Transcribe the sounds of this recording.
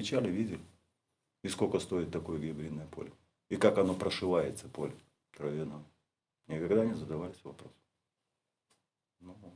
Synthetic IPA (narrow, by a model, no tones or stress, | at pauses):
ɪt͡ɕalʲɪvʲidʲɪlʲɪ | ɪskokəst̪o̞ɪt̪ːɐko̞jəɡʲɪbɾʲid̪ːəjəpo̞̰lʲɪ | ikakɐno̞pɾəʂɨvˠajɪt̪səpo̞lʲɪ | kɾɐvʲɪno | nʲɪkɐɡd̪anʲɪzəd̪ɐvalʲɪsʲvɐpɾo̞s | nu